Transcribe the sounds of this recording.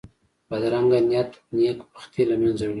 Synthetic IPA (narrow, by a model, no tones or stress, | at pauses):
bad̪ɾaŋɡanijat̪nekpḁxt̪ilamjanzaw